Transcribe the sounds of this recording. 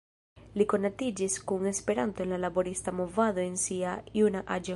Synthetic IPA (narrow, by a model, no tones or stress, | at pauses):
liko̞natid͡ʒiskuŋe̞spe̞ɾanto̞e̞nlalabo̞ɾistamo̞vado̞e̞nsiajunaʔad͡ʒe